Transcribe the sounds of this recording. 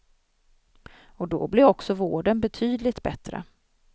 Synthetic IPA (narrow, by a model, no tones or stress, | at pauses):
ɔd̪ɔ̰blɛɾɔksɔvoːɖənbɛt̪ʰyːd̪lɪt̪bɛt̪ɾə̰